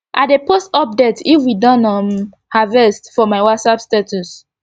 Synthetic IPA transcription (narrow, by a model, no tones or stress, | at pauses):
ʔa̰tdepostɔp̚detifwidɔ̃nɔ̃m | havɛstfɔmaɪwatsapstetʰus